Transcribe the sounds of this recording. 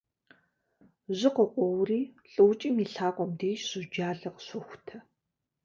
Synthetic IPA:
ʑɪqəqʷɔwriːɬʼɨwt͡ʃʼiːmiːɬaːqʷʼɔmdeːʃɕʊd͡ʒaːɮɐqɕʷʊxʷtʰɐ

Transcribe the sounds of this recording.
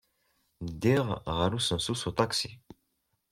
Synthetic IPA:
d̪iʁʁaɾusə̃nsusut̪aksi

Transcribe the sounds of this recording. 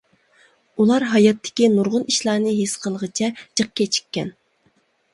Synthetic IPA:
ulˠɑɾɦɑjɑt̪ʰːɪ̥kʲinuɾʁʊniʃlˠɑːnɨɦesqʰəlˠəʁət͡ʃʰɛt͡ʃʰəq̚kʲɛt͡ʃʰi̥kʲːɛ̰n

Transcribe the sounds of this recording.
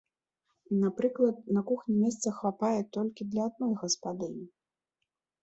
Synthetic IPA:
napɾɨklˠɐt̪̚nɐkuxnʲimʲɛst̪sɐxvapajɛt̪ɔlʲkʲid̪lʲɐːd̪̚nɔjɣɐspad̪ɨn

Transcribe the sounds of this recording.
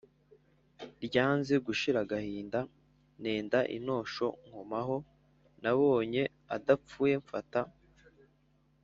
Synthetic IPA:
ɾɟaːnzeɡuʃiɾaɡahiːnda | ne̞ːndaʔḭno̞ːʃo̞̰ŋ̥ho̞maɦo̞ | naβo̞ːɲe̞ | a̰dap͡fuːje̞ɱfata

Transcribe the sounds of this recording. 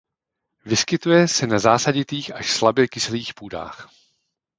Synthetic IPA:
vɪskɪt̪ujɛsɛnazaːsaɟɪt̪iːxaʃslabjɛkɪsliːxpuːda̰ːx

